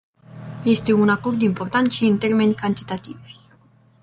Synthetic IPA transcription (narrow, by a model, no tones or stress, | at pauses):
je̞st̪e̞unako̞rd̪impo̞rt̪ant̪ʃiɨnt̪e̞rme̞nʲkant̪i̥t̪at̪ivʲ